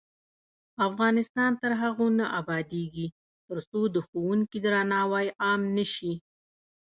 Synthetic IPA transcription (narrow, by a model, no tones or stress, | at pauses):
afɣɑnɪst̪ɑnt̪əɾɦaɣonaʔabɑd̪eɡi | t̪əɾsod̪əxowuŋkid̪ɾɑnɑwɑjʔɑmnəʃi